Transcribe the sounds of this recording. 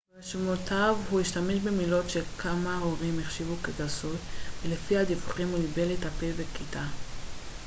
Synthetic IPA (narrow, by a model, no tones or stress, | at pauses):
eʃmotʰavhuiʃtameʃbemilo̞tʃe̞kʰamaoʁimiχʃivukeɡasutvelefihad̪ivuχimulibe̞lethapevekita